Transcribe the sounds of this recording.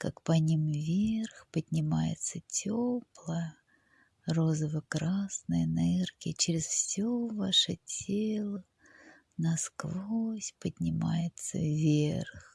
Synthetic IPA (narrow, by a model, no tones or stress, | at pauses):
kakpɐnʲimvʲerxpədʲnʲɪmajɪ̰t̪sətʲoplˠəjə | rozəvəkɾasnəjənɐɛrkʲɪt͡ɕɪɾʲɪsfsʲovaʂɨ̰tʲʰelˠə | nɐskvosʲpədʲnʲɪma̰jɪt̪sə̰vʲḛrx